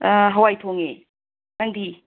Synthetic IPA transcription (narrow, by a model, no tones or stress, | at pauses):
ɦɐwajtʰoŋe | naŋdi